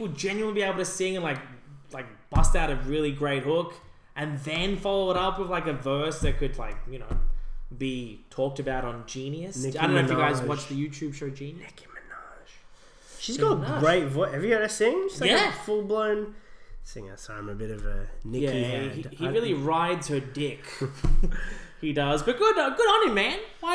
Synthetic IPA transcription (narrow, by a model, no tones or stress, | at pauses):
wɨd͡ʒɛ̃njʉɨn̩libieɪbl̩ˠtʰɨsɪ̃ŋɨ̃nlaɪk̚laɪk̚b̥ʌstaʊɾɨɹɪlˠiɡɹeɪt̚hʊk | ʔɨ̃nðɨ̃nfɑlˠoʊəɾʌpwɨðlaɪkɨvɜ˞sðɨt̚kʰɨdˡlaɪk̚jɨnoʊbitʰɔk̚tɨbaʊɾn̩d͡ʒĩnjɨsadõʊ̃nofɨɡaɪzwɑt͡ʃðɨjʉtʰʉb̥ʃoʊd͡ʒĩnjɨɪki̥mɨnɑʒ̥ | ʃizɡɑɾəɡɹeɪt̚vɔɪʔɛvɹiɛɾɨsĩŋ̥jæfʊlˠblõʊ̃nsɪ̰̃ŋə̰˞soã̰ɪ̃mɨbɪɾʌvə̰nɪjæiihiɹɪlˠiɹaɪdz̥hə˞dɪk | hidʌzbʌt̚ɡ̥ʊdɡʊɾɑnimæ̃nwaɪ